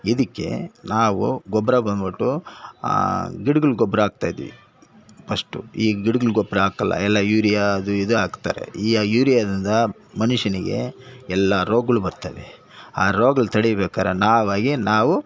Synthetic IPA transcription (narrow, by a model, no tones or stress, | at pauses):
id̪ikːe̞̰naːʋuɡɔbɾɐbɐnbɐʈːṵ | ɡiɽuɡɐɭɡɔbɾɐaːɡ̚t̪aːjid̪ḭʋḭ | pɐʂʈuiːɡiɽuɡɐɭɡɔbɾɐaːkɐlːɐ̰ɛlːɐjuːɾijad̪uid̪uaːɡt̪aːɾe̞̰iːjuːɾijaːd̪ind̪ɐ | mɐnuʃɐniɡe̞̰ɛlːɐɾoːɡɐɭubɐɾt̪aːʋe | aːɾoːɡɐɭt̪ʰɐɽijbɛːkaːɾenaːʋaːɡinaːʋu